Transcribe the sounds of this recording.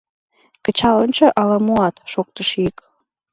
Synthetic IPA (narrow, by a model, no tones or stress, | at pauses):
kət͡ɕɑlənt͡ɕə̆ʔɑlɑmuɑt̪ʃok̚t̪əʃik